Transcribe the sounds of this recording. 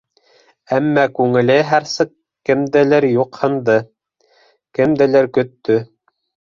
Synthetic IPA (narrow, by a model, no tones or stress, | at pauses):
æmːækʉŋɘ̆lɘɦæɾsɤq | kɘ̆md̪ɘ̆lɘɾjuqhɤ̆nd̪ɤ | kɘ̆md̪ɘ̆lɘɾkɵ̆t̪ːɵ